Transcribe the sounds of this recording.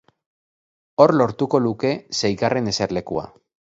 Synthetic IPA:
o̞ɾlo̞ɾt̪uko̞luke̞sejɣarʔe̞ne̞se̞ɾle̞kua̰

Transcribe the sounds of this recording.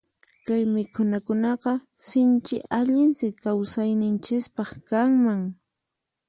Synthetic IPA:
kajmɪkʰʊnakʊnɑqɑ | sɪnt͡ʃɪ̰ʔaʎɪnsɪkːawsajnɪnt͡ʃɪspɑχkaŋmaŋ

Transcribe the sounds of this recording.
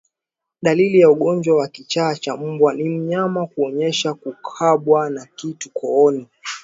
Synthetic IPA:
ɗalilijauɠɔɲd͡ʒwawakit͡ʃaːt͡ʃam̩bwanim̩ɲamakuɔɲɛʃakukʰaɓwanakitukʰɔɔni

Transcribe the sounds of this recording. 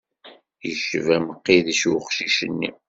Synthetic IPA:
jəʃəvæməqːiðiʃwχʃiʃənːḭ

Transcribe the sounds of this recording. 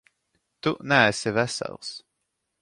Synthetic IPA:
t̪unæːsɛvɛsɛ̰lˠs

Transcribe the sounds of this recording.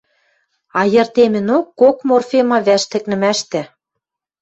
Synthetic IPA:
ɑjɤ̆rt̪emɘ̆nokːokmorfemɑβæʃt̪ɘ̆knɘ̆mæʃt̪æ̆

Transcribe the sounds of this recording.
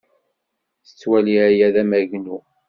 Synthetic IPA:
θə̥t͡sːwæliæjæðæmæʝnu

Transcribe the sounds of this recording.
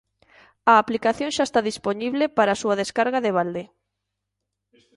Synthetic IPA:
ɐːplikaθjõŋʃaest̪aðisponiβlepaɾaːsuaðeskaɾɣaðeβ̞ald̪e

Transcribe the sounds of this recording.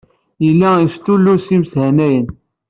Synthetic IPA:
jəlːæist̪ulːusimshænæjən

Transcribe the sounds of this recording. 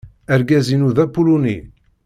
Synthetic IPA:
æɾɡæzinuðæpulunḭ

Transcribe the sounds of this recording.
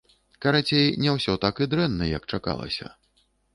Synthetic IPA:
kaɾat͡sʲejnʲɛwsʲɔt̪akɨd̪ɾɛnːɐjɐkt͡ʂaka̰lˠɐ̰sʲɐ̰

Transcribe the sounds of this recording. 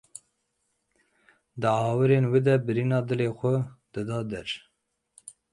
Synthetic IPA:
d̪ɨɑːwɨɾeːnwed̪ɛbɨɾiːnɑːd̪ɨleːxʷɛd̪̥ɨd̪ɑːd̪ɛɾ

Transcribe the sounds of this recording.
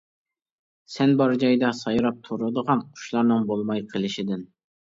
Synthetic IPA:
sɛnbɑɾd͡ʒɑjd̪ɑsɑjɾɑp̚t̪ʰoɾɨd̪əʁɑnqʰʊ̥ʃlˠɑɾnɨŋbolˠmɑjqʰəlˠɪʃɪd̪ɪn

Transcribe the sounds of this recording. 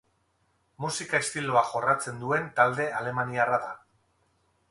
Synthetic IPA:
musikaest̪ilo̞aʝo̞rat͡se̞nd̪ue̞nt̪ald̪e̞ale̞maniaraða

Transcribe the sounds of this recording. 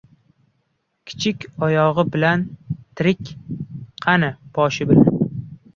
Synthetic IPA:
kʲʰɪ̥t͡ʃʰɪkʲɒjɒʁɨbɪlant̪ʰɪɾɪkʲqʰɑnɪb̥ɒʃɪbɪlan

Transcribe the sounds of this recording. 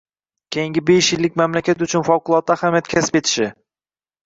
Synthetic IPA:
kʲʰejɪŋɡʲɪbeʃjɪlːɪkʲmamlakʲʰat̪ʊt͡ʃʰʊnfɒwqʊlˠɒt̪̚ːaːhamjat̪̚kʲʰasɪ̥pe̞t̪ʰɪ̥ʃɪ

